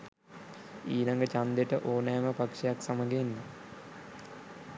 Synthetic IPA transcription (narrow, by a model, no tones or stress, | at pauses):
iːnaŋɡət͡ɕand̪eʈəʔoːnaːməpakʂejaksaməɡeːnːa